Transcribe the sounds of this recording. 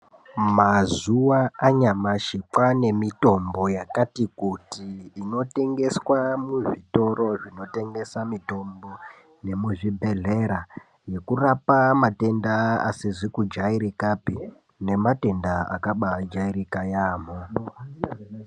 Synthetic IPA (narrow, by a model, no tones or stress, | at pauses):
mazuwaaɲamaʃipane̞mito̞mbo̞jakatikutiːno̞te̞ŋɡe̞swamuʐito̞ro̞ʐino̞te̞ŋɡe̞samito̞mbo̞ | ne̞muʐibʱe̞ɮe̞ɾa | je̞kurapamate̞ndaa̰siʐikud͡ʒaiɾikapi | ne̞mate̞ndaa̰kaɓad͡ʒaiɾikajaːmo